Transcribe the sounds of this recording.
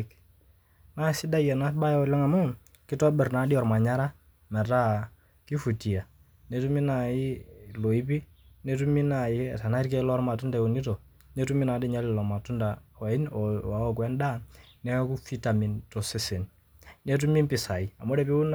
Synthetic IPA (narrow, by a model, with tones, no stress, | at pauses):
k | na˦sɪ˦da˦jɛ˨na˦ɓa˦jɔ˦lɛ˦ŋa˨mʊ˦ | kɪ˦tɔ˦bɛ˨ɾna˨˦di˦ɔ˨rma˨ɲa˦ɾa˦ | mɛ˨ta˦ | ki˦fu˨ti˨a˨ | nɛ˦tu˦mi˦na˨ɪ˦lo˨i˦pi˦ | nɛ˦tu˦mi˦na˨ɪ˦˨ta˨na˦i˦rkɛ˦lɔ˦ɾma˨tu˦nda˨o˨ni˦to˨ | nɛ˦tu˦mi˦na˨˦dɛ˦˨ɲa˦lɪ˨lɔ˨ma˨tu˦nda˨ɔ˨ɪ˦nɔ˨a˨ɔ˦kwɛ˦nda˦ | nɛ˦ku˦fi˦ta˨mi˨ntɔ˨sɛ˦sɛ˨n | nɛ˦t̬u˦mi˦mpɪ˨sa˨i˨a˨mo˦ɾɛ˨pi˦u˦n